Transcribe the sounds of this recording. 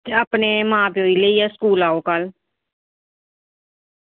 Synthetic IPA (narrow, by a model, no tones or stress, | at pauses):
t̪eəːpneːmãːpːoːiːləiːɛːskuːlaːoːkəl